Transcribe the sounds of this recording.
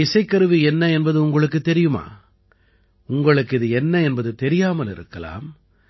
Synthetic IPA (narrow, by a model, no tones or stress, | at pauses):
ɪsɐɪkːɐɾɯʋiɛnːɐɛnbɐðɯʊŋɡɐɭɯkːɯt̪ːɛɾɪjɯma̰ː | ʊŋɡɐɭɯkːɪðɯɛnːɐɛnbɐðɯt̪ɛɾɪjaːmɐlɪɾɯ̰kːɐla̰ːm